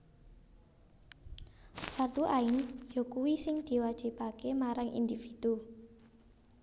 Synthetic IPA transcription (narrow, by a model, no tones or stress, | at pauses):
fart̪uʔaɪnjɔkuwisɪŋd̪̥i̤wad̥ʒ̥i̤pakemaɾaŋʔḭnd̪ifid̪̥u